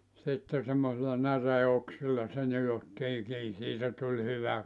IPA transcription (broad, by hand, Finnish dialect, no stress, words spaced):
sitːe semːosilːɑ næreːoksilːɑ se nijotːiː kiː siːtæ tulʲ hyʋæ